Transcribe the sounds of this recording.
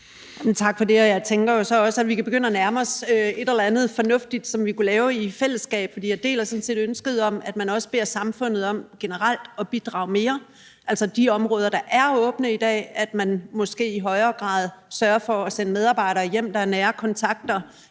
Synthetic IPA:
ment͡sʰɑ̈ɡ̥fɒ̽de̝ɒ̽jɑ̈ɪt͡sʰeŋɡ̥ɐjo̝sɒ̽ɒ̽səædʋikæb̥e̝ɡ̥øn̰ænæɐmɒsøe̝ɾ̥elɐænð̞̩ˠfɒ̽nɔ̽fd̥id̥sɒ̽mʋikulɛːʊifel̰əsːɡ̥ɛ̰ːb̥fɒd̥ḭːjɑɪd̥e̝̰ːlæɐsɒ̽n̩se̝̰ːd̥ønsɡ̥əð̩ˠɒ̽mæd̥mænɒ̽sə̥b̥e̝ɐ̰sɑ̈mfɔ̽n̰ð̞̩ˠɒ̽m̰ɡ̥enəʁal̰d̥ɒ̽b̥id̥ʁɑ̰̈ʊme̝ːɐ | ʔælsɐd̥iɒ̽mʁɔ̽ːð̞ˠɐɾ̥ɑ̈ʔæɐɔ̽ːb̥nəid̥ɛ̰ːæd̥mænmɒ̽sɡ̥e̝̰ːiɦɒ̽ɪɐːɡ̥ʁɑ̰̈ːð̞ˠsɶːɐfɒ̽ːsenəmeð̞ˠɑ̈ːbɑ̈ɪ̰ɾɐːjem̰d̥ɑ̈æɐnɛːɐkʰɒ̽nt͡sʰɑ̈ɡ̥̚d̥ɐ

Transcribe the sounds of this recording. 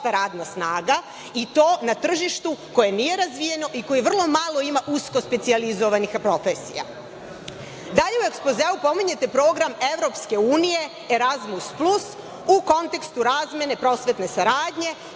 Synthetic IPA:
t̪aɾaːd̪nasnaːɡa | it̪o̞ːnat̪r̩ʒiʃt̪uko̞je̞nije̞ɾazʋije̞no̞ʔiko̞jiʋr̩lˠo̞malˠo̞imaʔusko̞spe̞t̪sializo̞ʋanixpɾo̞fesḭja̰ | d̪aʎe̞ue̞kspo̞zeːupo̞miɲe̞t̪e̞pɾo̞ːɡɾame̞ʋɾo̞pske̞uːnije̞ | eɾazmusplˠus | uko̞nt̪e̞kst̪uɾaːzmʲje̞ne̞pɾo̞sʋe̞t̪ne̞saɾaːd̪ɲe̞

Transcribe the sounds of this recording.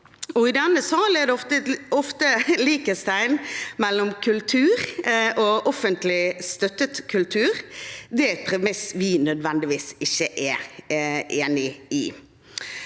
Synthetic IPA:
ɔɪd̪ɛnːəsɑːlɛd̪ɛɔft̪əɔft̪əliːkəst̪æɪnmɛlːɔmkʰʉlt̪ʰʉːɾʔɔʔɔfənt̪lɪst̪œt̪ət̪kʰʉlt̪ʰʉːɾd̪ɛpʰɾɪmɪsʋɪnœd̪ʋɛnd̪ɪʋiːsɪçːəʔɛ | eːnɪɪ

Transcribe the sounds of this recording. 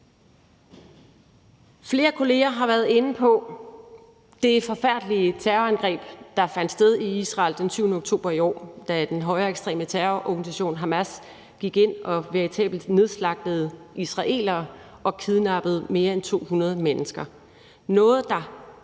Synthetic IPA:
fle̝ːɐkʰo̝le̝ːɐɦɑ̈ʋæɐð̩ˠe̝n̩pʰɒ̽ | d̥e̝fɒ̽fæɐ̰d̥liət͡sʰæɐænɡ̥ʁɛ̰ːb̥d̥ɑ̈fæn̰d̥sd̥eð̞ˠiisʁɑ̰̈ːld̥ensyʊnəoɡ̥̚t͡sʰo̝̰ːb̥ɐiɒ̰ːd̥æd̥enɦɒ̽ɪɐeɡ̥sd̥ʁɛ̰ːmət͡sʰæɐʔɒɡ̥nis̬æɕo̝̰ːnɦɑmæs | ɡ̥iɡ̥e̝n̰ʔɒ̽ʋeɐʁit͡sʰɛ̰ːbl̩d̥ne̝ð̞ˠslɑ̈ɡ̥̚d̥əð̩ˠ | isʁɑ̈ʔe̝̰ːlɐː | ʔɒ̽kʰiðˠnɑ̈b̥əð̞̩ˠme̝ːɐent͡sʰo̝̰ːhunɐð̞ˠmenəsɡ̥ɐ | nɔ̽ːð̞̩ˠd̥ɑ̈

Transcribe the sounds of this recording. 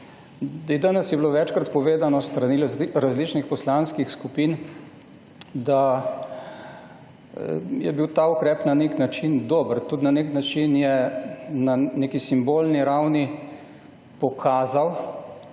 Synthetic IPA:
d̪ɛd̪anɛsjɛbloʋɛt͡ʃkɾat̪pɔʋeːd̪anɔst̪ɾaniɾazlit͡ʃnixpɔslanskixskupiːn | d̪a | jɛbiwt̪aːukɾɛːpnaneknat͡ʃind̪oːbəɾt̪ut̪naneknat͡ʃinjɛnanekisimbolniɾawni | pɔkʰaːzaw

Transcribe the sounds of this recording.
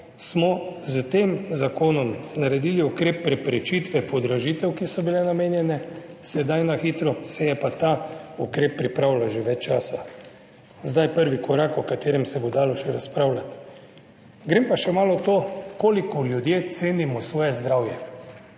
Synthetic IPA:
smɔzt̪eːmzakoːnɔmnaɾɛd̪iːliukɾeːpːɾɛpɾɛt͡ʃit̪ʋɛpɔd̪ɾaʒit̪ɛwkisɔbilɛnameːnjɛnɛ | sɛd̪ajnaxiːt̪ɾɔsɛjɛpat̪aukɾeːpːɾipɾaːwlaʒeʋɛt͡ʃt͡ʃaːsa | zd̪ajpəɾʋikɔɾaːkɔkat̪eːɾɛmsɛbod̪aːlɔʃɛɾaspɾawlat̪ | ɡɾeːmpaʃɛmaːlɔt̪okoːlikɔljud̪jeːt̪seːnimɔsʋɔːjɛzd̪ɾawjɛ

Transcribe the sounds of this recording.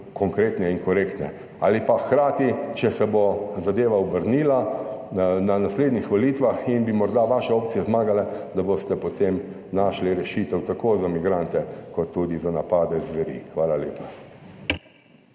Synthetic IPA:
kɔŋkɾeːt̪nɛiŋkɔɾekt̪nɛ̰ | a̰ːlipaxkɾaːt̪it͡ʃɛsɛbozad̪eːʋaɔbəɾniːla | nanasleːd̪nixʋɔliːt̪ʋaxinbimɔɾd̪aʋaʃɛoːp̚tt͡s̪ijɛzmaːɡalɛd̪abost̪ɛpot̪em | naʃliɾɛʃiːt̪ɛwt̪akoːzamiɡɾant̪ɛkɔt̪ːud̪izanapaːd̪ɛzʋɛɾḭxʋaːlalḛːpḁ

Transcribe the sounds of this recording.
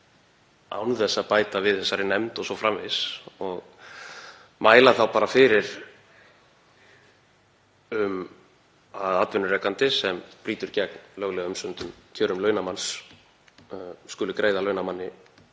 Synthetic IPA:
a̰wnθɛsːaðpaːjt̪avɪðθɛsːaɾɪnɛmt̪ɔsɔfɾamvɪsɔɣ | maːjlaθawpaːɾafɪːɾɪɾ̥ | ʏm | aðat̪vɪnʏrɛkant̪ɪsɛmpɾiːt̪ʏɾcɛknlœɣlɛɣaʏmsʏnt̪ʏmt̪ʰjœːɾʏmlœːɥnamans | skʏlʏkɾeːjðalœːɥnamanːɪ

